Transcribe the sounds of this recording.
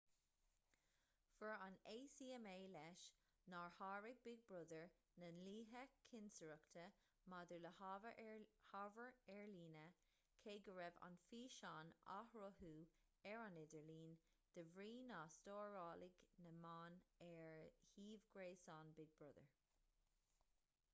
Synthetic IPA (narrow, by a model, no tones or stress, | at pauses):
fəɹaneːsiːɛmeːlɛʃ | naːɹhɑːɹɪɡ̚bɪɡ̚bɹʊðəɹ | nənliːɦəkʰɪnsəɹəkt̪ʰə | mad̪əɹləh | havəɹɛɹliːnə | kʰeːɡəɹɛva̰nfiːʃaːna̰hɹoɦuː | ɛɹanɪd̪əɹliːn | d̪̥əvɹiːnaːstoːɹɑːlɪɡnəmaːnɛɹhiːvɡɹeːsaːnbɪɡ̚bɹʊðə̰ɹ